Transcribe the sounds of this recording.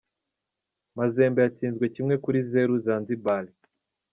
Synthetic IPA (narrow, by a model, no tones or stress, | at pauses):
mazeːmbejat͡siːnzɡwe̞cimŋe̞kuɾizeɾuzanzibali